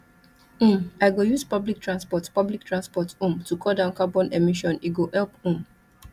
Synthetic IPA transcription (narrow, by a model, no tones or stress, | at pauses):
maɪɡojuzpablik̚tɹãnspɔtpablik̚tɹãnspɔtũmtukʰɔdãʊ̃nkabɔ̃nemiʃɔ̃niɡoʔɛlpũm